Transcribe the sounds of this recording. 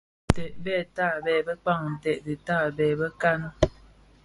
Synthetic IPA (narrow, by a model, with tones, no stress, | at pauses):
tɛ˨ʔbɛː˦˨taː˦˨bɛː˨bə˦k͡pa˦˨ŋ˨n̩˨tɛ˨ʔdɨ˨taː˦˨bɛː˨bə˦ka˦nə˦